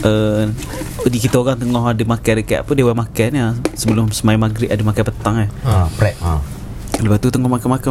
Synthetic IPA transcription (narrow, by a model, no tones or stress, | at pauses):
ʔə | dikit̪əoɣaŋt̪əŋɔɦadəmakanɾəkɛ̰ʔapədewɛmakanasəbəlʊmsəmaimaɡɾɪʔ̪adəmakapət̪aŋahpɾɛʔ̚a | ləbat̪ut̪əŋɔhmakamaka